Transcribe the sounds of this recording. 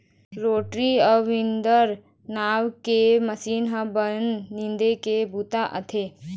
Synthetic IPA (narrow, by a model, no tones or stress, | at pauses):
ɾoːʈɾiəːĩnd̪əɾ | naːwkeməsiːnɦɐbənːĩnd̪ekebut̪aʔə̰t̪ʰe